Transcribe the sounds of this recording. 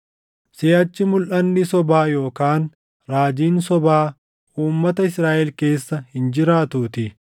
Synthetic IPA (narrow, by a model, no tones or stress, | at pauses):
seːʔɐt͡ʃːɪmʊlʔɐnːɪsɔbaːjo̞ːkaːn | ɾaːd͡ʒiːnsɔbaː | uːmːɐt̪ɐɪsɾaːʔɛlke̞ːsːɐhɪnd͡ʒɪɾaːt̪uːt̪ɪ